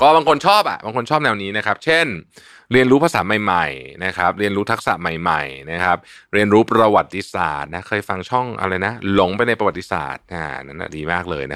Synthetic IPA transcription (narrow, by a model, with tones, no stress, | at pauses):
kɔː˥˩baː˧ŋkʰo˧nt͡ɕʰɔː˥˩p̚ʔa̰˨˩ʔbaː˧ŋkʰo˧nt͡ɕʰɔː˥˩p̚nɛː˧wniː˦˥na˦˥kʰa˦˥p̚t͡ɕʰe˥˩n | ɾi˧ənɾuː˦˥pʰa˧saː˩˦ma˨˩jma˨˩jna˦˥kʰɾa˦˥p̚ɾi˧ənɾuː˦˥t̪ʰk̚sa̰˨˩ma˨˩jma̰˨˩jna˦˥kʰa˦˥p̚ɾi˧ənɾuː˦˥pɾa˧wa˨˩t̪ʰːi˧sa̰ː˨˩t̪̚na˦˥kʰɤː˧jfa˧ŋt͡ɕʰɔ˥˩ŋʔa̰˧ɾa˧jna˦˥lo˨˩ŋpa˧jna˧jpɾa˧wa˨˩t̪ːi̥˧sa̰ː˨˩t̪̚ʔa̰ː˧˩˨na˦˥na̰˨˩diː˧maː˥˩k̚lɤː˧jna˦˥